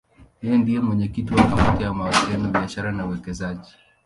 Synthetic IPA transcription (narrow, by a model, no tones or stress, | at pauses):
hɛjɛndijɛmwɛɲɛkitiwakamatijamawasilɛnɔɓiaʃaɾanauwɛkɛzaʄi